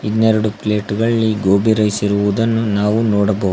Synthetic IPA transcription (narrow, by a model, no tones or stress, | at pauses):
inːɛɾɐɽupleːʈɡɐɭɭːiɡoːbiɾɐjsiɾuʋud̪ɐnːunaːʋunoːɽɐbɐ